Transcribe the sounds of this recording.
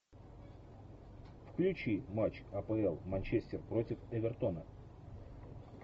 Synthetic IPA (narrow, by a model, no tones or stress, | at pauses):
fklʲʉt͡ɕimat͡ɕɐpəɛlˠmɐnʲt͡ɕesʲt̪ʲɪrpɾo̞tʲɪfɛvʲɛrt̪o̞nə